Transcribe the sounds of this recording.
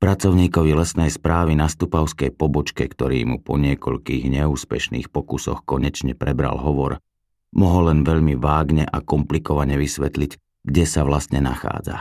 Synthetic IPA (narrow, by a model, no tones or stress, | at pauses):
pɾat͡sɔʊɲiːkɔʋilɛsnɛjspɾaːʋinast̪upaʊskɛjpɔbɔt͡ʃkɛkt̪ɔɾḭːmupɔɲɪɛkɔʎkiːɣɲɛuːspɛʃnḭːxpɔkusɔxkɔɲɛt͡ʃɲɛpɾɛbɾa̰lɦɔʋɔɾ | mɔɦɔlɛnʋɛʎmiʋaːɡɲɛʔakɔmplikɔʋaɲɛʋisʋɛt̪liɟ | ɡɟɛsaʋlast̪ɲɛna̰xa̰ːd͡za̰